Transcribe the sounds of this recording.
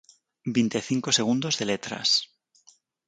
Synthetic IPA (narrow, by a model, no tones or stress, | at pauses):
bint̪eθiŋko̞se̞ɣ̞und̪o̞zðe̞le̞t̪ɾa̰s